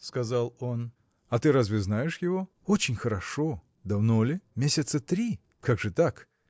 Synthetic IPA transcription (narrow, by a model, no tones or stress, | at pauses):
skɐzalˠo̞n | ɐt̪ɨɾazvʲɪznajɪʂjɪvo̞ | ot͡ɕɪnʲxəɾɐʂo | d̪ɐvno̞lʲɪmʲesʲɪt̪sət̪ɾʲi | kʰaɡʐɨt̪ak